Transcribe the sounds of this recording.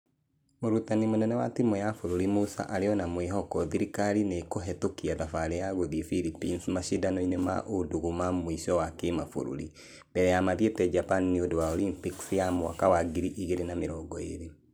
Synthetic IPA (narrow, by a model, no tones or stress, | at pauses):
moɾutanimonɛnɛwa̰timɔjafoɾoɾimusa̰ʔaɾeɔnamweɦɔkɔðiɾikaɾinekoɦɛtokiaðafaɾɛjaɣoðifilipinsmaʃidanɔinema̰ʔodoɣumamwiʃɔwakemafo̰ɾṵɾḭ | mbɛɾɛjamaðietɛd͡ʒapanneodowaɔlimpiksjamwa̰kawaɡiɾiʔiɣeɾenameɾɔɡɔḛɾe